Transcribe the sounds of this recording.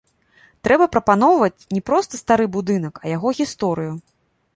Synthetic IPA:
t̪ɾɛbɐpɾɐpanɔwvɐt͡sʲnʲɛpɾɔst̪ɐst̪aɾɨbud̪ɨnɐkɐjaɣɔɣʲist̪ɔɾɨju

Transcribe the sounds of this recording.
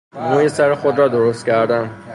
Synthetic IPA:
muːjesæɾexod̪ɾɒːd̪oɾost̪̚cʲʰæɾd̪æn

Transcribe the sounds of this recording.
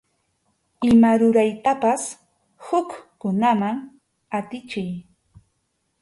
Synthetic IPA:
ɪmaɾʊɾajt̪apas | hʊkkʊnamaŋ | at̪ɪt͡ʃɪj

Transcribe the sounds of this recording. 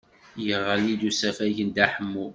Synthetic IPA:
jəʁːəlid̪usæfæʝənd̪æħəmːu

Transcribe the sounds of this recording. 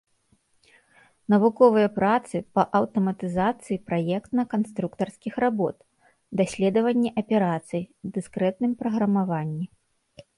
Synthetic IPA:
nɐvukɔvɨjɐpɾat̪sɨpɐʔɐwt̪ɐmɐt̪ɨzat̪sɨjipɾajɛkt̪nɐkanst̪ɾukt̪ɐrskʲixɾabɔ̰t̪ | d̪asʲlʲɛd̪ɐvɐnʲːɛʔɐpʲɛɾat̪sɨjd̪ɨskɾɛt̪̚nɨmpɾɐɣɾɐmavanʲːi

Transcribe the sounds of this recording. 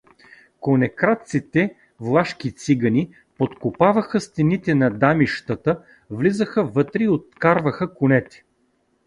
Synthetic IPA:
konɛkɾat̪sit̪ɛ | vlˠaʃk̟it̪siɡəni | pot̪kʊpavəxəst̪ɛnit̪ɛnɐd̪amiʃt̪ət̪ə | vlizəxəvɤt̪ɾiot̪̚kaɾvəxəkʊnɛt̪ɛ̥

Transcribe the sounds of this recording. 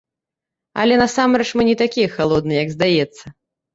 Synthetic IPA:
ɐ̰lʲɛnasamɾɛt͡ʂmɨnʲɛt̪akʲijɛxalˠɔd̪̚nɨjɛjɐɡzd̪ajɛt̪sːɐ

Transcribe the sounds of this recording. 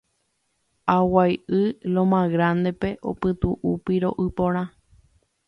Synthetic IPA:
awajʔɨlõmãɣɾãnd̪e̞pe̞ʔo̰pɨt̪uʔupiɾo̞̰ʔɨpõɾ̃ã

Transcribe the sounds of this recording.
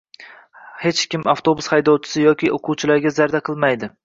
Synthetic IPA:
het͡ʃkʲɪmaft̪ʰobʊshajd̪ɒwt͡ʃʰɪ̥sɪjɒkʲʰɪʔoqʰʊwt͡ʃʰɪlaɾɡʲazaɾd̪aqʰɨlˠmajd̪ɪ

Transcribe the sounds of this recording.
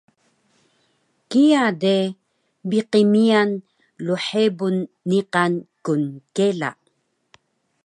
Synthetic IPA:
kiade | biqimian | luħebunː | iqankunkela̰

